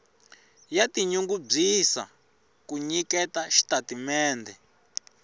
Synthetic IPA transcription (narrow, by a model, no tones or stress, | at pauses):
jatiɲuŋɡub͡ʐisa̰ | kuɲikɛtaʃi̥tatimɛːndɛ